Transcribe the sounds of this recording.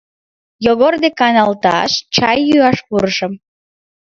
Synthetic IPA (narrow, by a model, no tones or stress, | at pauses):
joɣord̪ekɑnɑlt̪ɑ̰ʃt͡ɕɑjːyɑʃpuɾəʃəm